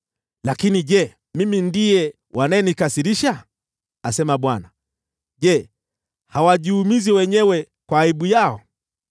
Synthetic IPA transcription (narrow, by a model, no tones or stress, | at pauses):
lakiniʄɛ | mimindijɛ | wʔanajɛnikasiɾiʃa | asɛmaɓwana | ʄɛ | hawaʄihumiziwɛɲɛwɛ | kwaːiɓujaɔ